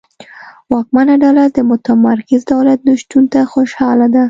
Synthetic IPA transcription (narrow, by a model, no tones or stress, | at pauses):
wɑk̚manaɖawlat̪d̪əmʊt̪amaɾkɪzd̪awlat̪̚nʊʃt̪unt̪axoʃhɑlad̪a